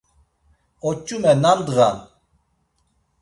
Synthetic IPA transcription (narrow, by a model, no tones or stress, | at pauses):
ɔt͡ʃʼːumɛnand̪ɣa